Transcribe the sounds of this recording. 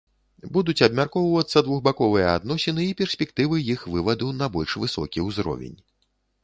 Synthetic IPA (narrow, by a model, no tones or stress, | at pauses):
bud̪ut͡sʲɐbmʲarkɔwvɐt̪sːɐd̪vuɣbakɔvɨjɛa̰d̪nɔsʲɛnɨipʲɛrsʲpʲɛkt̪ɨvɨjixvɨvɐd̪unɐbɔlʲʂvɨsɔkʲiwzɾɔ̰vʲɛ̰nʲ